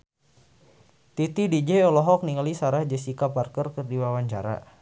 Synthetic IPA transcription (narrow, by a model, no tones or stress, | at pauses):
t̪it̪idid͡ʒɛɔlɔɦɔk̚niŋalisaɾahd͡ʒəsikaparkərkərdiwawaɲt͡ʃa̰ɾa̰